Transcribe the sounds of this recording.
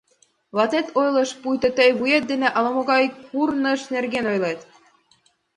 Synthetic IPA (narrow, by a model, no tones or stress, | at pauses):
βɑt̪et̪ojlˠɤ̆ʃpujt̪ɤ̆t̪əjβujet̪̚d̪eneʔɑlˠɑmŏɣɑjkurnɤ̆ʃnerɡenojlet̪